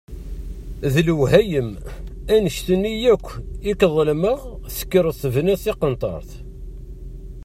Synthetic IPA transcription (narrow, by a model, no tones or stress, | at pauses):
ðlwhæjəmænəʃt̪ənːijækʷːɪkðˤlməʁsə̥kːəɾˤəsəvnæsiqənt̪ˤɑ̰ɾˤθ